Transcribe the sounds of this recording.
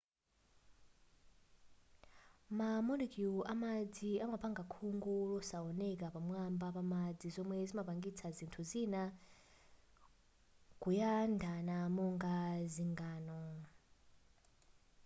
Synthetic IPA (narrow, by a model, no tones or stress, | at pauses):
mamɔnikiuʔamad͡ziamapaŋɡakʰuŋɡulɔsaɔnɛk̬apamwambapamad͡zizɔmwɛzimapaŋɡit͡sʰazintʰuzina | kujandʱanamɔŋɡaziŋɡaːnɔ